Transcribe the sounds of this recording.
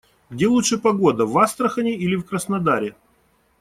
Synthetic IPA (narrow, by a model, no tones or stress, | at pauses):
ɡdʲe̞lˠutʂɨpɐɡo̞d̪əvast̪ɾəxənʲɪilʲɪfkɾəsnɐd̪aɾʲɪ